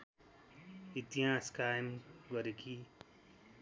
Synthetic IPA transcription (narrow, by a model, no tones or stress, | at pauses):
it̪iɦãːskajmɡɔɾeki